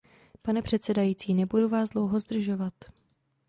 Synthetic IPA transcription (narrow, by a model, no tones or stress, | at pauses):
panɛpr̝̥ɛt̪sɛdajiːt͡siːnɛbuduvaːzdlo̞wɦo̞zd̪r̩ʒo̞vat̪